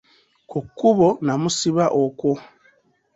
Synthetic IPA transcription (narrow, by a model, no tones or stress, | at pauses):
kukːuβonamusiβaʔoko